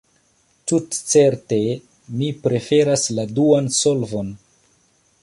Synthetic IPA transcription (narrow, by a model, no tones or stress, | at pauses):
tutt͡se̞ɾte̞ | mipɾe̞fe̞ɾasladuansolvon